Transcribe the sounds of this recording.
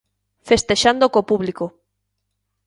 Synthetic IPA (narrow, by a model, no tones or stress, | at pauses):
fest̪eʃand̪okopuβliko